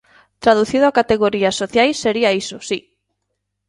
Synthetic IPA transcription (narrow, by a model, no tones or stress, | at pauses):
t̪ɾaðuθiðoakat̪eɣoɾiasoθjajsːeɾiaisosi